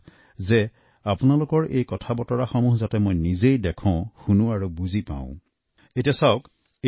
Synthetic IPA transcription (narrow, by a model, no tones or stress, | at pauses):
zɛ | apʊnalʊkɔɹʔejkɔtʰabɔtɔɹaxɔmuɦzatɛmojnizejdɛkʰɔ̃xunʊ̃aɹubuzipã̰ʊ̃ | etijasaʊk